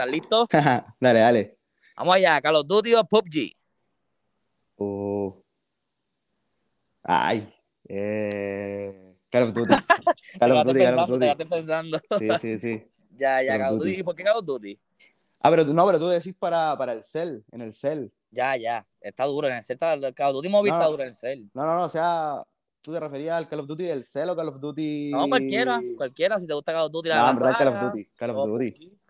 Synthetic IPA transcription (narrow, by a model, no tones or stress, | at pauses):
t̪alːit̪oad̪aleale | ba̰mohajakalod̪ut̪̬iapop̚d͡ʒḭ | u | a̰j | e | kalod̪ut̪ikalot̪ut̪ikaloat̪eat̪empens̬and̪osisisi | ʝaʝakalod̪ut̪iipoɾkekalod̪ut̪i | a̰peɾonopeɾot̪uðes̬ispaɾapaɾaelselḛnelsel | ɟ͡ʝaʝa | et̪aðuɾoenelselt̪alkaod̪ut̪imoβiaðuɾoenelselnononoːsea | t̪ut̪erefeɾiasalkalofd̪ut̪iðelselokalofd̪ut̪inokwalkjeɾakwalkjeɾas̬it̪e̞ɣust̪akalod̪ut̪̬iaambeɾðakalofd̪ut̪ikalofd̪ut̪i